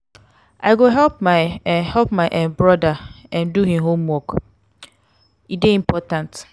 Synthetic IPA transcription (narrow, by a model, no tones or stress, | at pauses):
ʔaɪɡoɦɛlp̚maɪhɛlp̚maʔãmbɹɔdaɛ̃nduhĩɦõmwɔk | ideĩmpʰɔtãnt